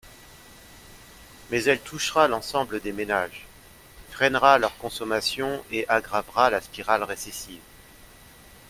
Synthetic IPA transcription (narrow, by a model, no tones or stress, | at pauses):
mɛzɛlt̪ʰuʃʁalɑ̃sɑ̃bləd̪emenaʒ | fχɛnʁalœʁkɔ̃sɔmasjɔ̃eʔaɡʁavʁalaspiʁalʁesesiv